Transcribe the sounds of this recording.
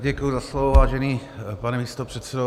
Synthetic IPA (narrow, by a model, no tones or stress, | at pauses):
ɟɛkujuzaslovovaːʒɛniːpanɛmiːst̪opr̥ɛt̪sɛdo